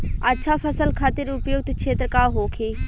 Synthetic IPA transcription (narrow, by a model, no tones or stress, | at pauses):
ətːʃʰapʰəsəlkʰaːt̪ɪɾʊpjoːɡ̚t̪kʃeːt̪ɾəkaːɦoːkʰeː